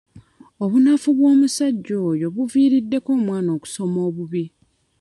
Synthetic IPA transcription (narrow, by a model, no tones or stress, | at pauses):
oβunafuβwo̞ːmusaɟːo̞ːjo̞βuviːɾidːe̞ko̞ːmwaːno̞ːku̥so̞mo̞ːβuβi